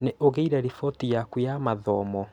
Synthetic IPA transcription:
neʔoɣeiɾɛɾifɔtijakweamaðɔmɔ

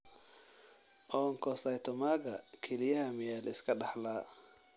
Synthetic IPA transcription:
ʔɔːŋkʰɔsɐjt̪ʰɔmaːɣɐkʰɛlɪjɐhɐmɪjɛːlɪskʰɐɖɑħlaː

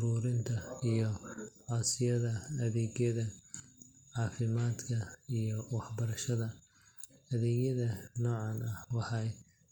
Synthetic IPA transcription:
ɾuːɾɪnt̪ʰɐijɔʕɑsɪjɐðɐɐðɛːɣjɐðɐ | ʕɑːfɪmaːd̪kʰɐijɔwɑħbɐɾɐʃɐðɐ | ɐðɛːɣjɐðɐnɔːʕɑnɐhwɑħɑj

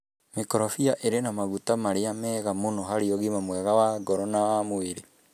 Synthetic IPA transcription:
mekɔɾɔfiaʔeɾenamaɣutamaɾeamɛːɣamonɔɦaɾiɔɣemamwɛɣawaɡɔɾɔnawamoeɾe

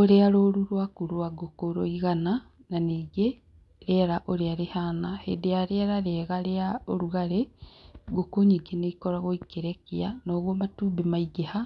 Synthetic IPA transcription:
oɾeaɾoɾuɾwakuɾwaɡokoɾoiɣana | naniɡe | ɾeɾaʔoɾeaɾehanahḛːdeaɾeɾaɾeɣaɾeaoɾuɣaɾe | ɡokoɲiɡeneikoɾaɣoikeɾekianoɣwomatuːbemaiɡeha

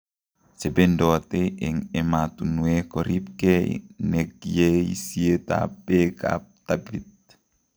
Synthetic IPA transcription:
sebendɔteeŋematunuwekɔɾib̚kḛneɡjejisieta̰peka̰tabit̚

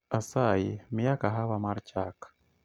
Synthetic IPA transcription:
asajimijakaɦaβamaɾcaːkḁ

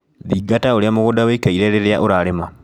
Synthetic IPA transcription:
ðiɡataoljamuɣodawekaiɾeɾelja̰ʔoɾalema

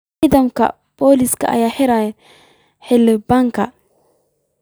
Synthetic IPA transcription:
ðɐmkʰɐ̰ | b̥ɔːlɪskʰɐ̰ʔɐ̰jaːħɪɾaːjɐ | ħɪlɪbaŋkʰɐ

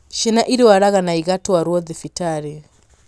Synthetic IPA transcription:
ʃɛnaʔiɾiwaɾaɣanaiɣatɔaɾuɔðifitaɾi

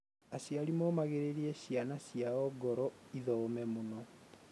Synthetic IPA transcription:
aɕjaɾimomaɣeɾeɾiɛɕianaɕiaɔɡɔɾɔiðɔːmɛmonɔ

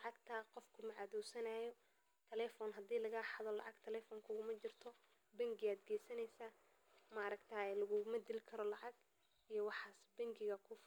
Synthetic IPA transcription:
lɑʕɑɡt̪ʰɐqɔfkʰʊmɐʕɑðuwsɐnajɔ | t̪ʰɛlɛːfɔnɦɐd̪iːlɐɣaːħɑðɔlɑ̰ʕɑɡt̪ʰɛlɛːfɔŋkʰʊʊɣʊmɐt͡ʃɪrt̪ʰɔ | bɐŋɡɪaːd̪ɡɛːsɐnɛjsaː | mɐɾɐɡt̪ʰaːɛlɐɣʊmɐd̪ɪlkʰɐɾɔlɑʕɑɡ | ijɔwɑħɑːsbɐŋɡɪɣɐkʰʊf

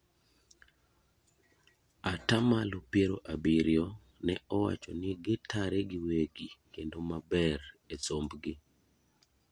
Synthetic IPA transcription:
atamalopjeɾoʔabiɾjɔ | nɛɔwa̰t͡ʃɔnɪɡɪtʰaɾɛɡɪweɡikendomabɛresombɡɪ

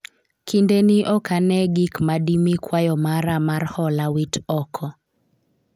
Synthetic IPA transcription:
kindenɪʔɔkanɛɡɪkmadimikwajɔmaɾamarhɔlawitɔkʰɔ

